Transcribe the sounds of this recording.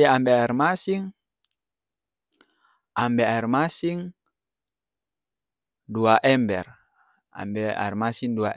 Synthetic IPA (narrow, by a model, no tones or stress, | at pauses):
aambɛaɛrmasiŋ | ʔambɛaɛrmasiŋ | duaʔɛmbɛr | a̰mbɛa̰ɛrmasiŋduaʔ